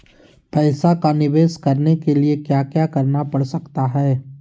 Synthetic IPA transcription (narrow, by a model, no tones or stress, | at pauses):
pɛːsakanɪʋeːʃkɐɾnekeliekjaːkjaːkɐɾnapɐɽsɐkt̪aɦɛː